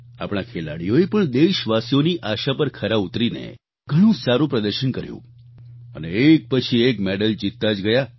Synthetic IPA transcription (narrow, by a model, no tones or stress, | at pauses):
a̰pɳ̃akʰela̰ɽijoepəɳd̪eʃʋasijoniʔaʃapəɾkʰəɾabut̪ɾinḛ | ɡ̥ʱəɽ̃ũsaɾũpɾəd̪əɾʃənkəɾjṵ̃ | ə̰neek̚pət͡ʃʰiekmeɖəld͡ʒit̪ːad͡ʒɡəja